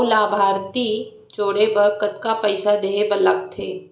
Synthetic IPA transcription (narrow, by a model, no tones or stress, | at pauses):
laːbʱaːɾt̪i | t͡ʃoːɽebəɾkət̪kapəɪsad̪eːebələkt̪ʰeː